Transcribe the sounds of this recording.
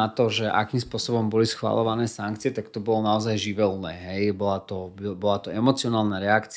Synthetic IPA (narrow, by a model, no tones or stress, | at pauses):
at̪ɔʒɛʔa̰kiːmspʊɔsɔbɔmbɔlisxʋa̰lɔʋanɛːsaŋkt͡siɪɛt̪akt̪ɔbɔlɔnaɔzajʒiʋɛlunɛːɦɛjbɔlat̪ɔbbɔlat̪ɔɛmɔt͡siɔnaːlˠnaɾɛakt͡s